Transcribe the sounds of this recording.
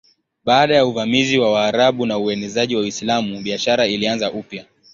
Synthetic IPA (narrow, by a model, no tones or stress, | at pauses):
ɓaːɗajauvamiziwawaːɾaɓunauɛnɛzaʄiwawislamuɓiaʃaɾailianzaʔupja